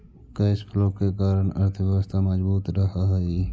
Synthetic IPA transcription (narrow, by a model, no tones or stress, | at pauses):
keɪskʰlõkekaːɾəɳəɾt̪ʰəʋjəwəst̪ʰaməd͡ʒbuːt̪ɾəɦaɦi